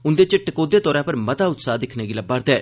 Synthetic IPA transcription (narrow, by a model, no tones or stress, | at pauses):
ʊnd̪eːt͡ʃɪʈəkoːd̪eːt̪ɔːɾãːpəɾmɐt̪aːʊt̪saːd̪ɪkʰneːɡɪlabəɾd̪ɛː